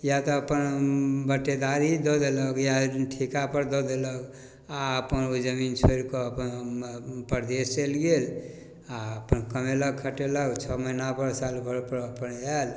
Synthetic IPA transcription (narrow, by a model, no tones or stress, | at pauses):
jat̪ɔəpənbəʈːed̪aɾid̪ɔd̪eləɡjaʈʰikapəɾd̪ɔd̪elək | aəpənod͡ʒəmint͡ʃʰoɾkoəpən | pəɾd̪est͡ʃelɡel | aəpənkəmelək̚kʰəʈeləɡt͡ʃʰɔmənabəɾsalbʱəɽpəɾəpənal